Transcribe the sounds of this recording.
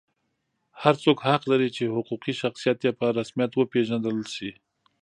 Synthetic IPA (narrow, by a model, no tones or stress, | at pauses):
haɾt͡sokhaqlaɾit͡ʃehʊquqiʃaxsijat̪japaɾasmijat̪wəpeʒand̪əlʃi